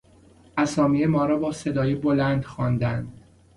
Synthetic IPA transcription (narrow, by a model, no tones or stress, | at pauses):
ʔæsɒːmiemɒːɾɒːbɒːse̞d̪ɒːjebolænd̪xɒːnd̪ænd̪̥